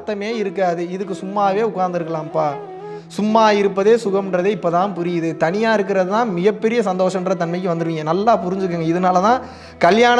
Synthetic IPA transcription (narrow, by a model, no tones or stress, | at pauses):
t̪ːɐmeːɪɾɯkːaːðɯɪðɯk̬ːɯsʊmːaːʋeːʊkːaːɾnd̪ɯɾɯkːɐɭaːmpaː | sʊmːaːɪɾɯp̬ːɐðeːsʊɣɐmɪndrɐðeːɪpːoːt̪ãːnpʊɾɪjɐðɯt̪ɐɳɪjaːɪɾɯk̬ːɪɾɐðɯt̪ãːmɪɣɐpːɛɾɪjɐsɐnd̪oːʂɐmdrɐt̪ɐnmɐɪkːɯʋɐnd̪ɯɾɯʋiːŋɡɐnɐlːaːpʊɾɪɲd͡ʒɯk̬ːɯːŋɡɐɪðɐnaːlɐt̪ãː | kɐljaːnɐ